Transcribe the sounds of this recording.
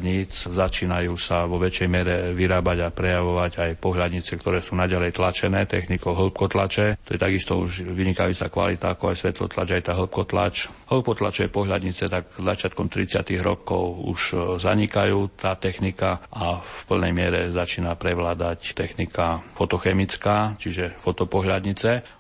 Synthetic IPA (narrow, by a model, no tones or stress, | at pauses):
d̪ɲiːt͡szat͡ʃiːnajuːsaʋɔʋɛt͡ʃɛjmɪɛɾɛʋiɾaːbaɟapɾɛjaʋɔʋaɟajpɔɦlad̪ɲit͡sɛk̚t̪ɔɾɛːsuːnaɟalɛjt̪lat͡ʃɛnɛːt̪ɛxnikɔʊɦl̩p̚kɔt̪lat͡ʃɛt̪ɔjɛt̪aɡist̪ɔuʒʋiɲikajuːt͡sa̰kʋa̰lit̪aakɔajsʋɛt̪lɔ̰t̪la̰d͡ʒajt̪aːɦl̩p̚kɔt̪la̰t͡ʃɦl̩p̚kɔt̪la̰t͡ʃɛjɛpɔɦʎad̪ɲit͡sɛt̪aɡzat͡ʃɪat̪̚kɔmt̪ɾit͡sɪa̰t̪iɣɾɔ̰kɔʊṵʃzaɲikajuːt̪aːt̪ɛxnikaʔafpl̩nɛjmɪɛɾɛzat͡ʃiːnapɾɛʋlaːd̪act̪ɛxnikafɔt̪ɔxɛmit͡skaːt͡ʃiʒɛfɔt̪ɔpɔɦʎad̪ɲit͡sɛ